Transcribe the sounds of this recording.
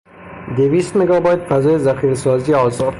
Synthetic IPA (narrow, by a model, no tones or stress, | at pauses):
d̪evist̪meɡɑbɑjd̪fazɔjezaxiɾsɔziɔzɒd̪